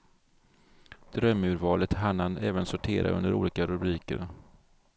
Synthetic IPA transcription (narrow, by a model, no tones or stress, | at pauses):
d̪̥ɾœmʉ̟ːɾvɑːlət̪ɦanːanɛːvənsʊʈʰeːɾʔa̰ʔɵ̰nd̪əɾṵːliːkaɾɵbɾiːkəɾ